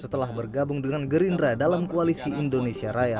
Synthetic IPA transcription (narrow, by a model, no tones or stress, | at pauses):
sət̪əlahbərɡabʊŋdəŋanɡəɾindradalamkoalisiindonesiaɾaja